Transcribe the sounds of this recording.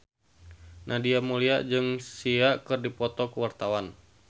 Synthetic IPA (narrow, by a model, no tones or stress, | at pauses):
nʔahdiamuliaʔd͡ʒɨŋsiaʔkɨrdipɔt̪ɔkəwart̪awan